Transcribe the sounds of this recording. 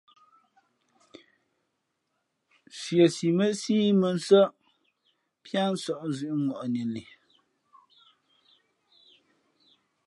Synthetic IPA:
sje˨si˨mə˦siː˦mə˨n˦sə˦ | pja˦n̩˦sɔ˨ʔzʉ˨ʔŋɔ˨ʔni˨li˨

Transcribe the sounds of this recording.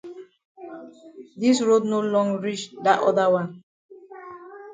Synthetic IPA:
di˦sɹo˦dno˦lɔ̃˦ŋɹi˦t͡ʃda˨ʔɔ̰˦da˦wã˦n

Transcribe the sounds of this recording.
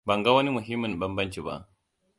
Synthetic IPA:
ba˨ŋɡa˦wɐ˦ni˦mu˨ɦi˦mːi˨nɓɐ˦mbɐ˦nt͡ʃi˨ba̰˨

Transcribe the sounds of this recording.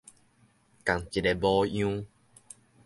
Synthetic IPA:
ka˨˩ŋt͡ɕi˨ɾe˧˩bɔ˧˦jũ˧˦

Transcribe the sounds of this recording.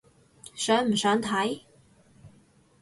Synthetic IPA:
sœː˨˥ŋm̩˨˩sœː˨˥ŋt̪ʰɐ˨˥j

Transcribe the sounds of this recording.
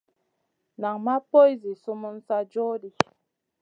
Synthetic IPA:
na˨ŋma˦po˦jzi˨su˦mu˦n̩˦sa˦d͡ʒɔ˦di˨

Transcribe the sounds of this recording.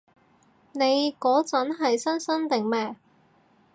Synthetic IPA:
ne˨˧jkɔː˨˥t͡sɐ˨˥nɦɐ˨jsɐ˥nsɐ˥nt̪ɪ˨ŋmɛː˧

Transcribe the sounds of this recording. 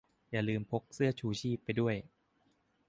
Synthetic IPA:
jaː˨˩lɯː˧mpʰo˦˥k̚sɯ˥˩ɐt͡ɕʰuː˧˩t͡ɕʰiː˥˩pːa˧jdu˥˩əj

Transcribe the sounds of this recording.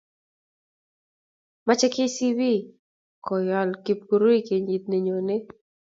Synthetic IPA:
ma˦t͡ʃɛ˦ke˦si˦bi˦ | kɔ˨jɔ˨lki˨p̚ku˨ɾo˦i˦ke˨ɲi˨t̪̚ne˨ɲo˨nɪ˦

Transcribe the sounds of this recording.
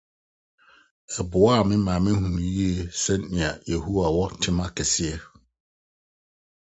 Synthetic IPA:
ɛ˨bʊ˨˦a˦˨mɪ̃˦mãː˨mɪ̃˦hũ˨nũ˨ji˦e˨sɛ˦n˦nɪ̃˨a˨je˨ɦu˦a˨wɔ˦tʰɪ˦mã˦kʰɛ˨sɪ˦ɛ˦

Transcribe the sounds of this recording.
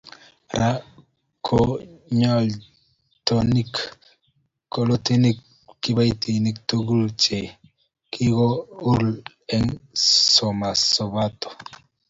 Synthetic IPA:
ɾʔa˦ | kʰo˦ɲɔ˦l | to˨ni˦k | o˨lo˦ti˦ni˦kː | i˦ba˦i˦ti˨ni˦k̚to˦ɡu˦lt͡ʃe˨ | kʰi˦ɡɔ˦u˦ɾl | ɛ˦ŋsɔ˨ma˨sɔ˨ba˦t̪ɔ̥˨

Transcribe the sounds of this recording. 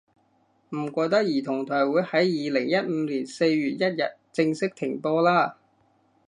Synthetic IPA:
m̩˨˩kʷɔː˧jt̪ɐ˥k̚jiː˨˩t̪ʰʊ˨˩ŋt̪ʰɔː˨˩jwuː˨˥jhɐ˨˥jjiː˨˧lɪ˨˩ŋjɐ˥t̚m̩ː˨˧˦liː˨˩nse˧jɥyː˨t̚jɐ˥t̚jɐ̰˨t̚t͡sɪ˧ŋsɪ˥k̚t̪ʰɪ˨˩ŋpɔː˧laː˥

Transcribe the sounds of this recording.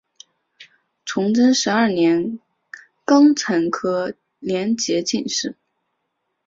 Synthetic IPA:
t͡sʰʊ˧˥ŋʈ͡ʂə˥nʂɻ̩˧˥ɐ˞˥˩njɛ˧˥n | kɑ˥ŋt͡sʰə˧˥nkʰɤ˥ | ljɛ˧˥nt͡ɕjɛ˧˥t͡ɕi˥˧nʂɻ̩˥˩

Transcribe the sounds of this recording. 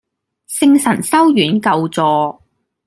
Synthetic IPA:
sɪ˥ŋsɐ˨˩nsɐ˥wjyː˨˥nkɐ˧wt͡sɔː˧

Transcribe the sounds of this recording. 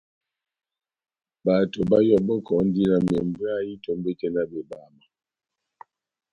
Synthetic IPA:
ba˨to˨ba˦jɔ˦bɔ˦kɔ˨˦n̩˦di˦na˨m˨ɛ˨m˨be˦a˦ji˦to˨˦mbe˦tɛ˦na˦be˨ba˨ma˨

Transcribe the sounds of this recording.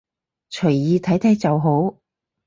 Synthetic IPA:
t͡ʃʰɵ˨˩jjiː˧t̪ʰɐ˨˥jt̪ʰɛ˥t͡sɐ˨wɦo˨˥w

